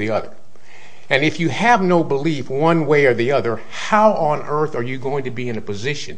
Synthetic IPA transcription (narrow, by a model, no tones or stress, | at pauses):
iʌðə̰˞ | ɨ̃nɨfjɨɨvnoʊbəlifwʌ̃nweɪə˞ðiʌðə˞ | haʊʔə̃nʔɜ˞θə˞jɨɡoʊɪ̃ŋtʰɨbiɨ̃nɨpɨzɪʃɨ̃n